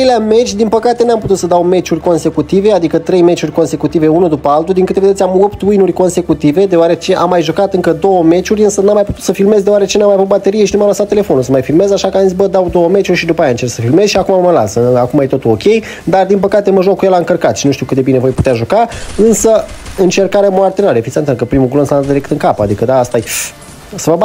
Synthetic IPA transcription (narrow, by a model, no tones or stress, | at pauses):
ɾejleame̞t͡ʃʲd̪inpəkat̪e̞namput̪ut̪səd̪awme̞t͡ʃurʲko̞nse̞kut̪ive̞ad̪ikət̪ɾejme̞t͡ʃurʲko̞nse̞kut̪ive̞unud̪upəalt̪uld̪iŋkɨt̪eved̪esʲamopt̪ujnurʲko̞nse̞kut̪ive̞d̪eoaɾe̞t͡ʃe̞ʔamːajʒukat̪ɨŋkəd̪o̞wəme̞t͡ʃurʲɨnsənamːajput̪ut̪səfilme̞zd̪eoaɾet͡ʃenamajavut̪̚bat̪e̞ɾijeʃinumajlasat̪ːele̞fo̞nulsəmajfilme̞zaʃakəamzit̪ʲbəd̪awd̪o̞wəme̞t͡ʃurʲʃid̪upajant͡ʃe̞rksəfilme̞zʃiakumaməla̰səakumajt̪o̞t̪ulo̞kʲe̞j | d̪ard̪inpəkat̪eməʒokːujelaɨŋkərkat̪ʃinuʃt̪iwkɨt̪einevo̞jput̪eaʒukaɨnsəɨnt͡ʃe̞rkaɾeamoart̪enaɾjefit̪sʲənt̪ɨlkəpɾimuɡlonsaanad̪iɾe̞k̚t̪ɨŋkapa̰d̪ikəd̪aːst̪aj | səvəba